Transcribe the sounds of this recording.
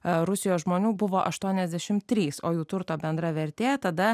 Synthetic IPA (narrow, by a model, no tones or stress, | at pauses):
ɾʊsʲɪjoːsʒmoːnʲuːbʊʋoːʔɐʃt̪uɔnʲɛzʲd̪ʲæʃʲɪmt̪ʲːɾʲiːsoːjuːt̪ʊɾt̪oːbʲɛnd̪ɾɐʋʲɛɾʲt̪ʲeːt̪ɐd̪ɐ